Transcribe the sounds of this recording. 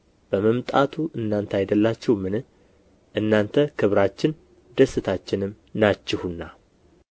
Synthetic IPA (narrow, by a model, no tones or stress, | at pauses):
b̥əməmt̪ʼat̪ʰuʔɨnːant̪ʰajd̪əlːat͡ʃːɛwmɨnɨ | ʔɨnːant̪ʰəkʰɨβɾat͡ʃːɪn | d̪əsːɨt̪ʰat͡ʃːɪnɨm | nat͡ʃːɪhunːa